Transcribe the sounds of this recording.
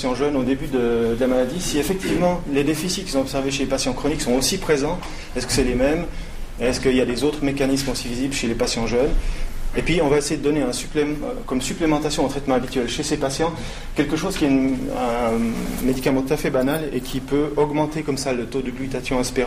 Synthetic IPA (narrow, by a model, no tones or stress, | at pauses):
sjɑ̃ʒœnod̪ebyd̪əd̪əlamalad̪isiefɛk̚t̪ivmɑ̃led̪efisit̪ki̥sɔ̃ɔpsɛʁveʃelepasjɑ̃kχɔniksɔ̃osipχezɑ̃ | ɛskə̥sɛlemɛm | eɛskəiljad̪ezot̪χmekanismosivizibləʃelepasjɑ̃ʒœnepɥiɔ̃vaesejed̪əd̪ɔneɛ̃sy̥plekɔmsyplemɑ̃t̪asjɔ̃ɛ̃t̪χɛt̪mɑ̃abit̪ɥɛlʃesepasjɑ̃ | kʲɛlkəʃoz̥kʲiɛɛ̃ | med̪ikamɑ̃t̪ut̪afɛbanalḛkʲʰipøɔɡmɑ̃t̪ekɔmsalət̪od̪əɡlyt̪at̪jɔ̃ɛ̃speʁ̃